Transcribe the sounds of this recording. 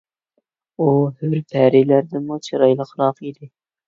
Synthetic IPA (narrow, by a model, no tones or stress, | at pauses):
uhøɾpʰæɾilæɾd̪ɪmut͡ʃʰɨɾɑjlˠəqɾɑqid̪ɪ